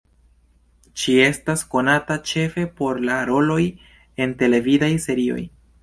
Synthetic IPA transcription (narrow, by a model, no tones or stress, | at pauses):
t͡ʃie̞stasko̞natat͡ʃe̞fe̞po̞ɾlaɾo̞lo̞j | e̞nte̞le̞vidajse̞ɾio̞̰j